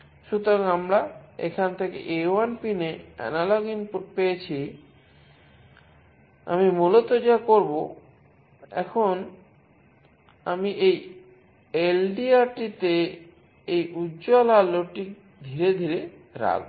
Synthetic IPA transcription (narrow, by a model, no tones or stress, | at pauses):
ʃut̪oɾaŋamɾaḛkʰant̪ʰekḛʔeanpineɛ̰naloɡinppejet͡ɕʰi | a̰mimulot̪od͡ʑekoɾbo | ɛ̰kʰon | amiʔej | elɖiaɾʈit̪e | ejud͡ʑolalːoʈik | d̪ʱiɾed̪ʱiɾe | ɾa̰ɡ